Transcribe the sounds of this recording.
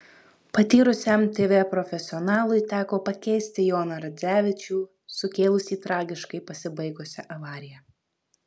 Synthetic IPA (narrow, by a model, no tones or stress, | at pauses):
pɐt̪ʲiːɾʊsʲɛmt̪ʲeːʋʲeːpɾɔfʲɛsʲɪɔnɑːlˠʊɪt̪ʲæːkoːpɐkʲɛɪsʲt̪ʲɪjoːnɐɾɐd̪zʲæːʋʲɪt͡ʃʲuː | sʊkʲeːlˠʊsʲiːt̪ɾɑːɡʲɪʃkɐɪpɐsʲɪbɐɪɡʊsʲɛʔɐʋɑːɾʲɪjɛ